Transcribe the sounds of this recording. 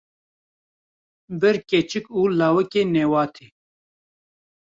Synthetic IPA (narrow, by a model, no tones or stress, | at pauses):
bɪɾkʲeːt͡ʃikuːlaːwɐkeneːwaːt̪ʰi